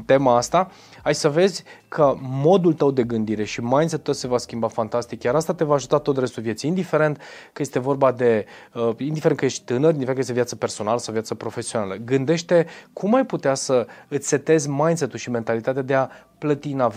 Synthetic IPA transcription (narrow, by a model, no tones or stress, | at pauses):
t̪e̞maast̪a | ajsəve̞zʲkʰəmo̞d̪ult̪əwd̪e̞ɡɨnd̪iɾe̞ʃimajnset̪ut̪əse̞vaskʲimbafant̪ast̪ikjaɾast̪at̪e̞vaːʒut̪at̪o̞t̪re̞st̪ulvje̞t̪siːnd̪ife̞ɾe̞nt̪kəje̞st̪e̞vo̞rbad̪e̞əind̪ifeɾenkəjeʃt̪ʲt̪ɨnəɾʲjind̪ifenkəjest̪vjat̪səpe̞rso̞naləsawvjat̪səpɾo̞fe̞sio̞na̰ləɡɨnd̪e̞ʃt̪e̞kʰumajput̪easəɨt̪ʲse̞t̪e̞zʲmajnset̪ːulʃime̞nt̪alit̪at̪ead̪e̞a | plət̪inav